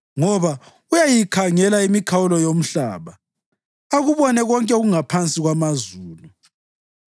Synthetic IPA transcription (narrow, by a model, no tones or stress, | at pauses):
ŋɔβa | ujajikʰaŋɛlaimikʰawulɔjom̩ɬa̰ːβa | aɣuβɔnɛɣɔŋkʼɛɣuŋapʰant͡sʼiɣwamazuːnu